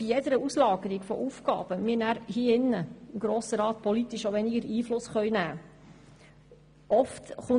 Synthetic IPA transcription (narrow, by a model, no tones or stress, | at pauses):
b̥ijɛd̪əɾəuslɑːɡəɾiɡfɔ̰ʔufkɑ̰ːb̥əmɪːnæːɾhiːɪnːəɪmɡ̥ɾoːsəɾɑːt̪̚pʰɔlit̪iʃoʋɛnɪɡəɾiːflʊsχœʏnæː | ʔɔftχʊ